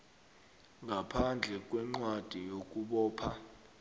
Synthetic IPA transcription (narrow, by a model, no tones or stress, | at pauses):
ŋʱapʰand͡ɮʱɛk̬ʼwɛŋ͡ǀwad̥ʱijok̬ʼuɓɔːpʰa